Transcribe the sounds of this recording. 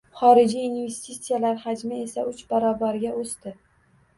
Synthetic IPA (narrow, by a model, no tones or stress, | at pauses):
χɒɾɪd͡ʒiːnve̞st̪it̪sijalaɾhad͡ʒmɪe̞saʊt͡ʃbaɾɒbaɾɡʲaost̪ɪ